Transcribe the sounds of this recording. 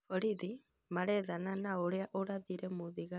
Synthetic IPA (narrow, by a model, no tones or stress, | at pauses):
ɔɾiði | maɾɛðananaoɾeaʔoɾaðiɾɛmoðiɣa